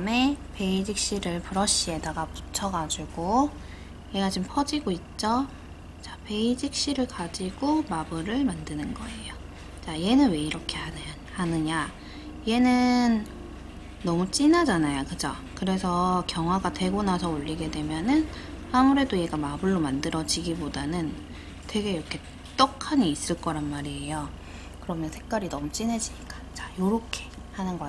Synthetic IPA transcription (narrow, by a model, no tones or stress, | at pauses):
me̞pe̞id͡ʑik̚ɕ͈iɾɯɭpuɾʌɕ͈ie̞daɡapu̥t͡ɕʰʌɡad͡ʑuɡ̥o | jeɡat͡ɕimpʰʌd͡ʑiɡoit̚t͡ɕ͈ʌ | t͡ɕḁpe̞id͡ʑik̚ɕ͈iɾɯɭkad͡ʑiɡ̥omabɯɾɯɭmandɯnɯnɡʌ̰e̞jo | t͡ɕaie̞nɯnwe̞iɾʌkʰe̞han | hanɯɲa | ije̞nɯnː | ʌmut͡ɕ͈inad͡ʑanajokɯd͡ʑʌ | kɯɾe̞sʰʌkjʌŋɦwaɡatwe̞ɡonasʰʌoʎːiɡe̞dwe̞mjʌnɯn | hamuɾe̞doje̞ɡamabɯɭːomandɯɾʌd͡ʑiɡibodanɯn | twe̞ɡe̞iɾʌkʰe̞ | t͈ʌkʰaɲiːs͈ɯɭk͈ʌɾanmaɾiejo | kɯɾʌmjʌnsʰe̞k̚k͈aɾinʌmut͡ɕ͈inɦe̞d͡ʑiɲik͈ḁt͡ɕḁjoɾʌkʰe̞̥ | hanɯnɡʌ